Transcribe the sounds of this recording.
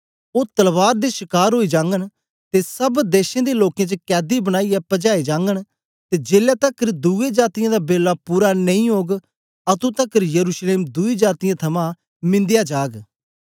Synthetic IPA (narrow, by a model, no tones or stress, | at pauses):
oːt̪əlʋaːɾd̪eːʃɪkaːɾɦoːiːd͡ʒãːŋɡən | t̪esəbd̪eːʃẽːd̪eːloːkjẽːt͡ʃəkɛːd̪ibəɽñaːiːɛpəd͡ʒaːed͡ʒãːŋɡən | t̪eːd͡ʒeːljaːt̪əkəɾd̪uːeːd͡ʒaːt̪ɪjãːd̪aːbeːlːaːpuːɾanə̃ĩːɦoːɡ | ət̪ũːt̪əkəɾjəɾuːʃleːmd̪uːiːd͡ʒaːt̪ijãːt̪ʰɐmãː | mɪ̃nd̪ɪjaːd͡ʒaːɡ